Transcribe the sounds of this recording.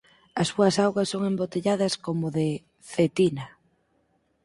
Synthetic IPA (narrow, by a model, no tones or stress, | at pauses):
ɐsːuɐsawɣɐsːoŋembot̪eʎaðɐskomoðe | fet̪inɐ